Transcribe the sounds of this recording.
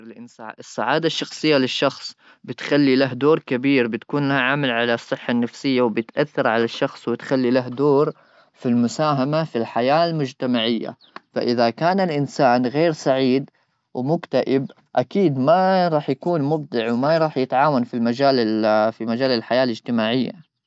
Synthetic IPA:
lʔɪnsa̰ːʔɪsˤːaʕaːd̪aʃːɑxsˤɨjːalɪʃːɑxsˤ | bɪt̪xalːilaɦd̪oːɾkabiːɾbɪt̪kuːnlahaʕamalʕalasˤːɨħːanːafsɪjːawbɪt̪ʔaθːɑɾʕalaʃːɑxsˤwɪt̪xalːilaɦd̪oːɾ | filmʊsaːɦamafilħajaːlmʊd͡ʒt̪amaʕɪjːa̰ | fa̰ʔɪðakaːnalʔɪnsaːnɣeːɾsˤaʕiːd̪ | wmʊkt̪aʔɪb | ʔakiːd̪maɾˤɑːħjakuːnmʊb̚d̪ɪʕwmaɾˤɑːħjɪt̪ʕaːwanfilmad͡ʒaːlɪfimad͡ʒaːlɪlħajaːlɪd͡ʒt̪ɪmaːʕɪjːa̰

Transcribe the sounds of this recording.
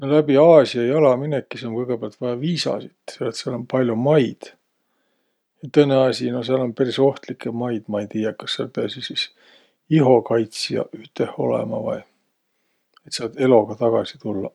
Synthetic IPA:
nolæb̥iɑːsiɑjɑlɑminekːiseokɤjɡ̥e̞peɑlt̪vɑjɑviːsɑ̰sit̪selet̪seɑlo̞npɑlʲjomɑjd̪̥ | jɑt̪ɤne̞ɑsʲino̞seɑlo̞npæɾiso̞ht̪likːˑemɑjd̪̥mɑejt̪iːjɑkɑsːeɑ̰lpeɑsisis | iɦo̞kɑjt̪sjɑ̰yht̪eho̞̰lḛmɑ̰vɑ̰j | et̪sɑt̪e̞lo̞ɡ̥ɑt̪ɑɡ̥ɑsi̥t̪ulːɑ̰

